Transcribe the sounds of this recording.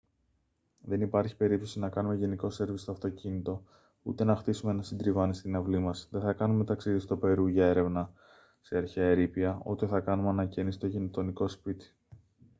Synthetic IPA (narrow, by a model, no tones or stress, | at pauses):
ðe̞nipɐɾçi̥pe̞ɾipt̪o̞sinɐkɐnume̞ʝe̞niko̞se̞ɾvist̪o̞ɐft̪o̞cinit̪o̞ | ṵt̪e̞nɐxt̪isume̞nɐsind̪ɾivɐnist̪inɐvlimɐsðe̞θɐkɐnume̞t̪ɐksiðist̪ope̞ɾuʝɐe̞ɾe̞vnɐ | seɐɾçeeɾipiɐot̪e̞θɐkɐnumeɐnɐcenist̪ocinot̪o̞niko̞spit̪i̥